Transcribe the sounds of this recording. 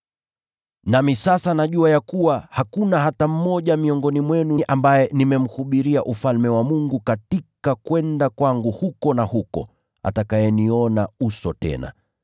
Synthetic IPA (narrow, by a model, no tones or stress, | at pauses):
namisasanaʄuajakuwahakunahatam̩mɔʄamiɔŋɡɔnimwɛnuʔambajɛnimɛm̩huɓiɾiaʔufalmɛwamuŋɡukatikakwɛndakwaŋɡuhukɔnahukɔ̰ | a̰takajɛniɔnausɔtɛ̰na̰